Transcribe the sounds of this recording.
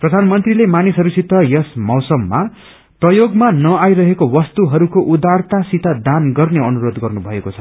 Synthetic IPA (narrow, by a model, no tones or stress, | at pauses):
prʌd̪ʱanmʌnt̪rilemanisɦʌɾusit̪ːʌjʌsmʌwsʌmːa | prʌjoɡmanʌajɾʌɦekowʌst̪uɦʌɾukoʔud̪art̪asit̪ad̪anɡʌrneʌnuɾod̪ɡʌrnubʱʌekot͡sʰʌ̥